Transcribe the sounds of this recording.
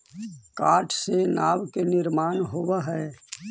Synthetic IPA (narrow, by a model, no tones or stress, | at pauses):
kaːʈʰsenaːʋkenɪɾmaːnɦoʋaɦɛː